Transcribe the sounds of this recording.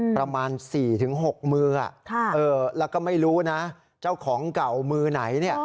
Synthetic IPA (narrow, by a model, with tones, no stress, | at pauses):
pɾa˧maː˧nsiː˨˩t̪ʰɯ˩˦ŋɦo˨˩k̚mɯː˧ʔa̰˨˩ʔkʰa˥˩ʔɤː˧lɛː˦˥wkɔː˥˩ma˥˩jɾuː˦˥na˦˥ | t͡ɕaː˥˩wkʰɔː˩˦ŋka˨˩wmɯː˧na˩˦jni˥˩ɐ